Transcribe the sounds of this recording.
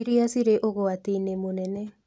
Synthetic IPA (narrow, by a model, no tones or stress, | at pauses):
iɾiasiɾeʔoɣoatiinemonɛnɛ